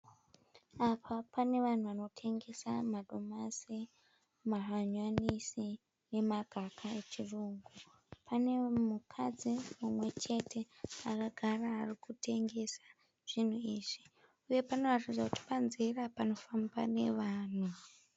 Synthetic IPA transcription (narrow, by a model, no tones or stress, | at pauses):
apʰapane̞ʋan̤uʋano̞tʰe̞ŋɡe̞sa̰maɗo̞masi | maɦaɲwanisi | ne̞maɡʱakʰae̞t͡ʃiruːŋɡu | pʰane̞mukʰad͡zimumwe̞t͡ʃe̞tʰe̞akaɡʱaraːrikutʰe̞ŋɡe̞sḁ | ʐ̥in̤uiːʐ̥i | uje̞pano̞ratid͡zakuti̥panzirapano̞famba̰ne̞ʋaːn̤u